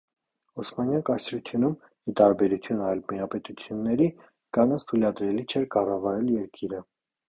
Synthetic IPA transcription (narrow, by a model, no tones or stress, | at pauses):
ɔsmɑnjɑkɑsɾut̪ʰjunum | it̪ɑɾbɛɾut͡s̪ʰjunɑjlmiɑpɛt̪ut͡sʰjunːɛɾi | kɑnɑt͡sʰt̪ʰujlɑd̪ɾɛlit͡ʃʰɛɾkɑrɑvɑɾɛljɛɾkʰiɾə